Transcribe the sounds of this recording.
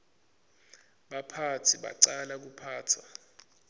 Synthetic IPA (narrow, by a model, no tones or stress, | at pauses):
ɓapʰatʰiɓa̰ǀalak̬upʰaːt͡sʰa